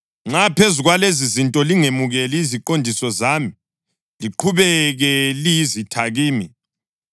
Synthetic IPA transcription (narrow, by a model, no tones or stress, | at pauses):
ŋ͡ǁapʰezuɣwalezizintʼɔliŋemuɣɛliiziǃondʱisɔzami | liǃʰuβɛɣɛlijizitʰaɣiːmi